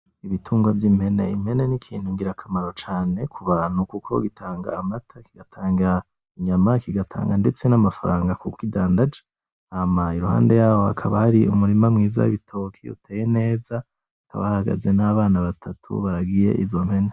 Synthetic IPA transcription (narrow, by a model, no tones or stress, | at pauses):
iβitʰuːŋɡwavjimhe̞nḛimhe̞nenikʰḭːn̥huŋɡiɾakʰamaɾo̞t͡ʃaːne̞kʰuβaːn̥hukukʰo̞̰ɡitʰaːŋɡa̰ːmatʰakiɡatʰaːŋɡiɾa | iɲamakiɡatʰa̰ːŋɡandet͡se̞namafaɾaːŋɡakukidaːndad͡ʒḁ | amaiɾuha̰ːnde̞jaːwo̞a̰kʰaβahaɾiumuɾimamŋiːza̰βitʰo̞kʰḭṵtʰeːje̞ne̞ːza | ka̰βa̰haɡa̰ze̞naβaːnaβatʰatʰṵβaɾaɡije̞̰ʔizo̞mhe̞ne